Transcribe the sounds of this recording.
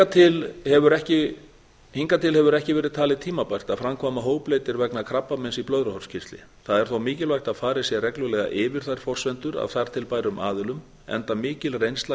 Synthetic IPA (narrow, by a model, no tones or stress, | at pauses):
at̪ʰɪlhɛvʏɾɛhcɪ | hiŋkat̪ʰɪlhɛvʏɾɛhcɪvɛːɾɪðt̪ʰaːlɪðt̪ʰiːmapajr̥t̪afɾamkʰvaːmaɦoːwplejt̪ɪɾvɛknakʰɾapːamɛnsiplœðɾahɔrscʰɪst̪lɪ̰ | θaðɛɾ̥θowmɪːcɪlvajxt̪aðfaːɾɪsjɛrɛklʏlɛɣa̰ʔɪːvɪɾ̥θaj̥fɔr̥svɛnt̪ʏɾa̰ðθaɾ̥t̪ʰɪlpaːjɾʏma̰ːðɪlʏm | ɛ̰nt̪amɪːcɪlrejnst̪la